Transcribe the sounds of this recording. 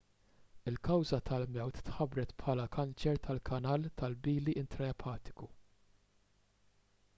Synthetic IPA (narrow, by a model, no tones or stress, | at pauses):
ɪlkɐwzɐt̪ʰɐlmɛwt̪ːħɐbɾɛt̪pħɐːlɐkɐnt͡ʃɛɾt̪ʰɐlkʰɐnɐːlt̪ɐlbiːliʔɪnt̪ɾɐɛpʰɐːt̪ɪ̥ku